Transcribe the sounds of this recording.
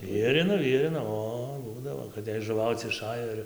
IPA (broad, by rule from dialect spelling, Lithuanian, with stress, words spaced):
ˈʋʲiɛrʲɪnoː ˈʋʲiɛrʲɪnoː ˈoː ˈbuːdɐʋoː kɐt jɛɪ ʒʊˈʋɐʊt͡s ɪˈʃɑːjoː ɪr